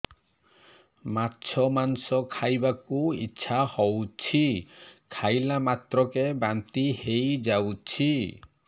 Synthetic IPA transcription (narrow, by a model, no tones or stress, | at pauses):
maɾt͡ʃʰɔmansɔkʰajbakuḭtːt͡ʃʰʃʰahɔwt͡ʃʰikʰajlamat̪ɾɔkebant̪ihejd͡ʒawt͡ʃʰi